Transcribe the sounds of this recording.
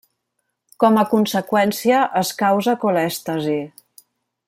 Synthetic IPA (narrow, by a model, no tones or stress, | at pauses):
kɔməkunsəkwɛnsiəʔəskawzəkolɛst̪əzi